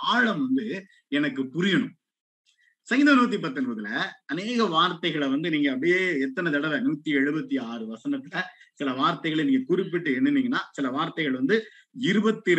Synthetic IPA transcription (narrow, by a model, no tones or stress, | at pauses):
aːɻɐmʋɐnd̪ɯ | ɛnɐkːɯpʊɾɪjɐɳɯ̃m | sɐŋɡɪnɐnuːt̪̬ːipɐt̪ːɯnbɐðɯlɐɐneːɣɐʋaːɾt̪ːɐɪɣɐɭʋɐnd̪ɯniːŋɡɐːp̬ɐɽɪjeːɛt̪ːɐnɐt̪̬ɐɽɐʋɛnuːt̪ːiɛɻɯbɐt̪ːiaːɾɯʋɐsɐnɐt̪ːɪlɐsɪlɐʋaːɾt̪ɐɪɣɐɭɐniːŋɡɐkʊɾɪpːɪʈːɯɛnːɯnːiːŋɡɐnːaːsɪlɐʋaːɾt̪ɐɪɣɐɭʋɐnd̪ɯ | ɪɾɯbɐt̪ːɪ